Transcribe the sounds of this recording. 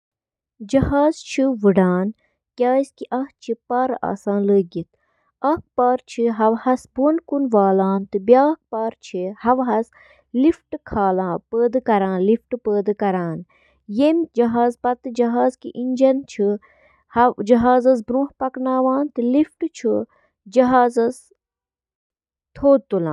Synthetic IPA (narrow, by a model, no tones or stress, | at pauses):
d͡ʒɐhaːzt͡ʃʰiʋɨɖaːn | kʲaːskiʔɐht͡ʃʰipɐɾa̰ːsãːnləːɡit̪̚ʰ | ɐk̚paːɾt͡ʃʰiɦɐʋhɐsbonkunʋaːlãːnt̪ɨbjaːk̚paːɾt͡ʃʰihɐʋɦɐs | lifʈkʰaːlãːpəːd̪ɨkɐɾãːnlifʈɨpəːd̪ɨkɐɾaːn | jemd͡ʒɐɦaːzpɐt̪ɨd͡ʒɐɦaːzkḭʔiɲʲd͡ʒɐnt͡ʃʰi | hɐd͡ʒɐɦaːzɐsbɾũːhpɐknaːʋãːnt̪ɨlifʈt͡ʃʰi | d͡ʒɐɦaːzɐs | t̪ʰoːd̪̚t̪ːulã̰ːn